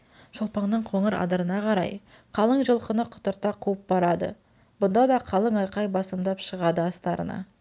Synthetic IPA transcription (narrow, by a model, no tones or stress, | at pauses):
ʒ̥ʊlˠpɑɴnəɴqʰoɴəɾɑ̰d̪əɾənɑqʰɑɾɑ̰j | qʰɑlˠəɴʒəlˠqənəqʰʊ̥t̪əɾt̪ɑqʰuəp̚bɑɾɑd̪ə̰ | bʊnd̪ɑd̪ɑqʰɑlˠəɴɑjqɑjbɑsəmd̪ɑpʃəʁɑd̪əɑst̪ɑɾə̰nɑ̰